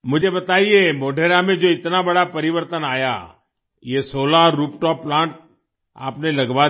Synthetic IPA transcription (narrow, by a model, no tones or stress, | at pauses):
mʊd͡ʒʱebɐt̪aːiemoːɖʱeːɾamẽd͡ʒoːɪt̪nabɐɽapɐɾɪʋəɾt̪ənaːja̰ | jesoːlaɾuːpʈɔːpːlãːɳʈ̚ | a̰ːpnelɐɡʋa